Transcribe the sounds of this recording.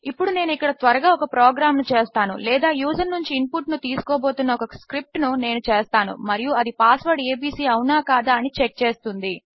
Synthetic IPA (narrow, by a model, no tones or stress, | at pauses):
ipːuɽune̞ːnuikːɐɽɐt̪ʋɐɾɐɡaːɔkɐpɾoːɡɾaːmnut͡ʃeːst̪aːnṵlɛːd̪aːjuːzɐnnuɲt͡ʃiːmpuʈnut̪iːsu̥koːbo̞ːt̪unːɐɔkɐskɾip̚ʈnune̞ːnut͡ʃeːst̪aːnṵmɐɾijuɐd̪ipaːsʋɐɾɖeːbiːsiːɐwunaːkaːd̪aːɐnit͡ʃek̚t͡ʃe̞ːst̪und̪i